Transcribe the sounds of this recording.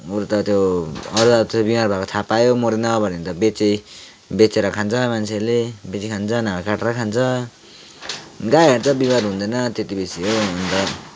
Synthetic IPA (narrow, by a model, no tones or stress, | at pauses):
uɾt̪ʌt̪joʌɾuaɾt̪ebimarbʱakot̪ʰapajomoɾenʌbʌnint̪ʌbet͡sej | bet͡seɾʌkʰant͡sʰʌmant͡sʰelebet͡sikʰant͡sʰʌnaɡakaʈɾʌkʰant͡sʰʌ | ɡajɦeɾt͡sʰʌbimaɾɦũnd̪ʌnʌt̪et̪ibisiɦoʌnt̪ʌ